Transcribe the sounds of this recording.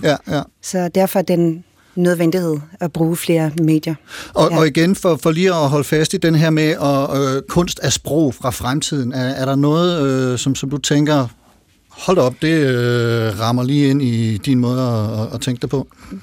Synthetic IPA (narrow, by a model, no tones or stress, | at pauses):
jæjæsɒ̽d̥æɐ̰fɒæɐd̥en | nøðˠʋend̥ihe̝ð̰ˠæb̥ʁuːfle̝ːɐme̝̰ːd̥jɐɒɒiɡ̥enfɒ̽fɒliːɒɦɒ̽ləfæsd̥id̥enəɦeɐ̰meʔɒ̽økʰɔ̽n̰sd̥æsb̥ʁɔʊ̰fʁɑ̈fʁamt͡sʰið̞̰ˠn̩æɐːɐɾɑ̈nɔ̽ːð̞̩ˠøsɒ̽msɒ̽md̥ut͡sʰeŋ̰ɡ̥ɐ | hɒ̽l̰d̥ɒ̽b̥̚d̥e̝øʁɑ̈mɐliːe̝n̰id̥inmɔ̽ːð̞ˠɒːt͡sʰeŋɡ̥d̥epʰɔ̽